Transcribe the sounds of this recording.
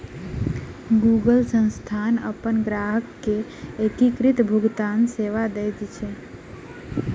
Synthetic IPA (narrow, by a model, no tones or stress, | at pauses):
ɡuɡəlsə̃ñst̪ʰanəpənɡɾaɦəkːe | ekikɾit̪bʱuɡt̪anseʋad̪ejt̪t͡ʃʰe